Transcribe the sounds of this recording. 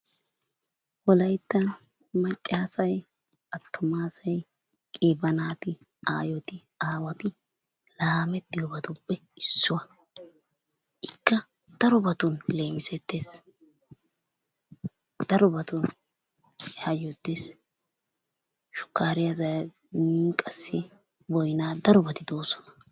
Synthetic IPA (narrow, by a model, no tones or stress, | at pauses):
wɔlɐjt̪ːɐn | mɐt͡ʃʼːaːsɐj | ɐt̪ʰːʊmaːsɐj | kʼɪːbɐnaːt̪ɪ | a̰ːjɔt̪ɪ | aːwɐt̪ɪ | laːmɛt̪ːɪjɔbɐt̪ʊbːɛ | ɪsːʊwɐ | ʔɪkːɐ | d̪̥ɐɾʊbɐt̪ʊnle̞ːmɪsɛt̪ːeːs | d̪̥ɐɾɔbɐt̪ʊn | hɐjɔt̪ːeːs | ʃʊ̥kːaːɾɪjɐzɐ | kʼɐsːɪ | bɔjnaːd̪ɐɾɔbɐt̪ɪd̪o̞ːsɔ̥nɐ̥